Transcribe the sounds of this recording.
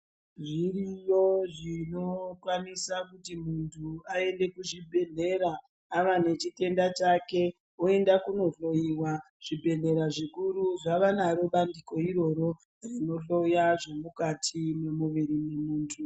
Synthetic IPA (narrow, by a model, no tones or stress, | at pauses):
ʐirijo̞ʐino̞kwanisakutimuntʰuae̞nde̞kuʐibʱe̞ɮe̞ɾaː | ʋane̞t͡ʃite̞ndat͡ʃake̞ | oe̞ndakuno̞ɬo̞jiwa | ʐ̥ibʱe̞ɮe̞ɾaʐikuɾuʐaʋanaroɓandiko̞iɾo̞ɾo̞ | rino̞ɬo̞jaʐe̞mukatʰimwe̞muʋiɾimemuːntʰu